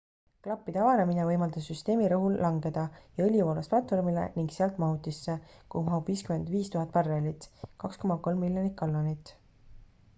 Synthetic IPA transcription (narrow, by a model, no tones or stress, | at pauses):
klɑpːˑid̪̥eɑvɑneminevɤjmɑld̪̥ɑsːyst̪e̞ːmiɾɤɦulːɑŋɡe̞d̪̥ɑjɑɤlʲjuvoːlɑsplɑt̪ːˑfo̞rmilḛniŋɡseɑlt̪ˑmɑɦut̪ːˑisːekumɑubviːskyme̞nd̪viːst̪uɦɑt̪̚ːˑpɑrːelit̪ˑkɑksko̞mɑko̞lmːilʲːjonit̪̚ˑkɑlːonit̪ːˑ